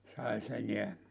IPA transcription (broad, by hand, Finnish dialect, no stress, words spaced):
sɑis eneæ